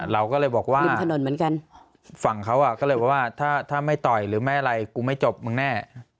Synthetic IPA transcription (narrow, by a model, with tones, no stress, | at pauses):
ɾa˧wkɔː˥˩lɤː˧jbɔː˨˩k̚waː˥li˧t̪ʰno˧˩nmɯ˩˦ənka˧n | fa˨˩ŋkʰa˦˥wʔa˨˩kɔː˥˩lɤː˧jbɔː˨˩waː˥˩t̪ʰaː˥˩t̪ʰaː˥˩ma˥˩jt̪ɔ˨˩jɾɯː˩˦maː˦˥ʔa˧ɾa˧jkuː˧ma˥˩jt͡ɕo˨˩p̚m˧˩nɛː˥˩